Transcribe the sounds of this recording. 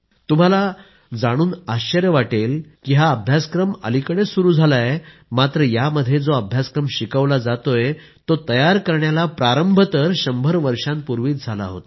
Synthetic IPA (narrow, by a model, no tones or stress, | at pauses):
t̪um̤ala | d͡zaɽ̃uːnaɕt͡ɕəɾjəʋaʈelkiɦaəbʱjaskɾəmə̰likəɽ̃esuɾuːd͡zʱalaje | mat̪ɾəjaməd̪ʱːjed͡zoəbʱjaskɾəmɕikəʋlad͡zat̪oje | t̪ot̪əjaɾkəɾɳjalapɾaɾəmbʱət̪əɾɕəmbʱəɾʋəɾɕãnpuɾʋiːt̪̚d͡zʱala̰ɦo̰t̪